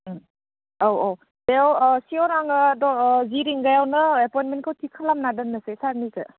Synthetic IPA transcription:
owo | dejawsiɔwɾaŋadɔziɾiŋɡajawnɯepɔjnmenkʰawtʰikʰalamnadɯnːasesaɾnikɯ̰

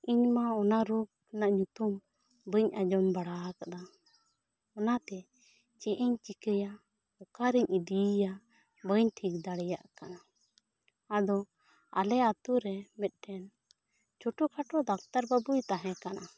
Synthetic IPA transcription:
iɲmaɔnaɾuk̚ | naʔɲut̪um | bəɲad͡ʒɔmbaɽakad̪a | ɔnat̪ɛ | t͡ʃɛʔɛɲt͡ʃikəja | ɔkaɾiɲid̪ija | bəɲʈʰik̚d̪aɽɛjaʔkanaː | d̪ɔ | a̰lɛat̪uɾɛmɛt̪̚ˀʈɛn | t͡ʃɔʈukʰaʈɔd̪akt̪aɾbabujt̪aɦɛ̃kana

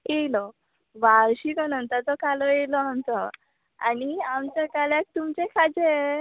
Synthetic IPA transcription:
elɔ | ʋaɾɕikɔnənt̪at͡sɔkalɔjelɔɦant͡sɔ | a̰niamt͡ɕakaljak̚t̪umt͡ɕekʰad͡ze

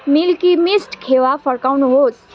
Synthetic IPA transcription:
milkimisʈkʰewapʰəɾkawnuɦos

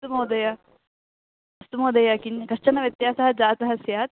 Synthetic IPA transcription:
t̪umɐwd̪ɐja | ɐst̪umɐːd̪ɐjakinkɐʂt͡ʃɐnɐʋjɐt̪jaːsɐɦɐd͡zaːt̪ɐɦɐsjaːt̪̚

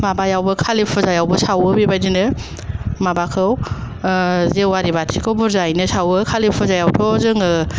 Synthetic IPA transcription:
mabajawbɯkʰalipʰɯzajawbɯsawɯbibajdinɯ | mabakʰɯw | zewaɾibatʰikʰɯwbɯɾzajnɯsawɯkʰalipʰɯzajawtʰɔzɯŋɯ

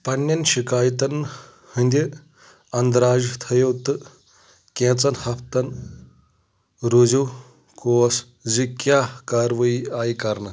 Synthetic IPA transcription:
pɐnːɐnɕikaːjt̪ɐn | hənd̪ʲji | ɐnd̪ɾaːd͡ʒt̪ʰɐjɐwt̪ɨ | kẽt͡sɐnhɐpʰt̪ɐn | ɾuziw | koːɐs | zikjaːkaɾʋɐiaːjkɐɾnɐ

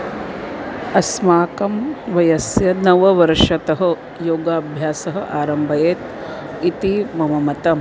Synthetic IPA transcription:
ɐsmaːkɐmʋɐjɐsjɐnɐʋɐʋɐɾʂɐt̪ɐɦɐ̆ | joːɡaːbʱjaːsɐɦɐ̆ʔaːɾɐmbʱɐjeːt̪ | it̪imɐmɐmɐt̪ɐm

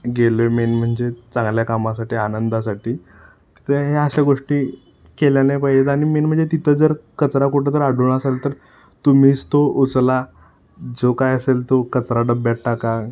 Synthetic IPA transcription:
ɡelomenm̤əɳd͡zet͡sãŋɡljakamãsaʈiːanənd̪asaʈi̥ː | t̪əɦeəɕaɡoʂʈiː | keljanepaɦiet̪añimenm̤əɳd͡zet̪it̪ʰəd͡zəɾkət͡sɾakuʈət̪əɾaɽuːɳasalt̪əɾ | t̪um̤iːst̪out͡sla | d͡zokajəselt̪okət͡sɾaɖəbbɛʈ̚ʈaka

